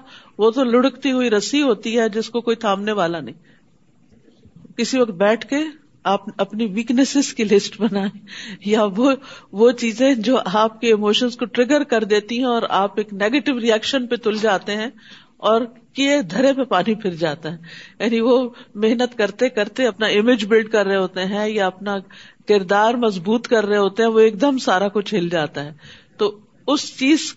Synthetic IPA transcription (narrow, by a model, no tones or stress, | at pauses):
ʋot̪olʊɽəkt̪iɦʊiɾɐsiɦoːt̪iɦɛd͡ʒɪskokoːit̪ʰãːpneʋaːlanɐɦĩː | kɪsiʋɐk̚t̪̚bɛːʈʰke | aːpɐpniʋiːknəsɪzkilɪsʈbɐnaːẽjaʋoʋot͡ʃiːzẽd͡ʒoːʔaːp̚keɪmoːʃənzkoʈɾɪɡəɾkɐɾd̪eːt̪iɦɛ̃ɔːɾa̰ːpeːkneːɡeːʈɪʋɾiɛːkʃənpet̪ʊld͡ʒaːt̪eɦɛ̃ | ɔːɾ | keed̪ʱɐɾepepaːnipʰɪɾd͡ʒaːt̪aɦɛjaːniʋomeɦnət̪kɐɾt̪ekɐɾt̪eɐpnaɪmɪd͡ʒbɪlɖkɐɾːəɦeɦoːt̪eɦɛ̃jaɐpnakɪɾd̪aːɾmɐzbuːt̪kɐɾːəɦeɦoːt̪eɦɛ̃ʋoeːk̚d̪əmsaːɾakʊt͡ʃʰeːld͡ʒaːt̪aɦɛːt̪oː | ʊst͡ʃiːz